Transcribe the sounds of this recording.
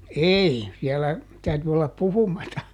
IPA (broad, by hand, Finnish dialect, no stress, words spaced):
ei siɛlæ tæyty olːɑp puhumɑtɑ